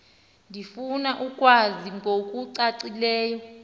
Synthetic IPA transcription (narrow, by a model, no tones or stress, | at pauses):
ndʱifunaʔukʼwaziŋɡʱok̬ʼuǀaǀilɛːjɔ